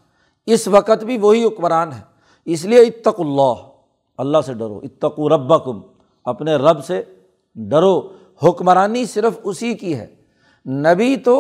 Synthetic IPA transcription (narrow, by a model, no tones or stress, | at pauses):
ɪsʋɐqət̪bʱiʋoɦiɦʊkməɾaːnɦɛː | ɪs̬lieɪt̪ːɐqʊlːaːɦ | ɐlːaɦseɖɐɾo̰ːʔɪt̪ːɐquːɾɐbːɐkʊm | ɐpneɾɐbse | ɖɐɾoː | hʊkmɾaːnisɪɾəfʊsikiɦɛ̰ː | nɐbit̪o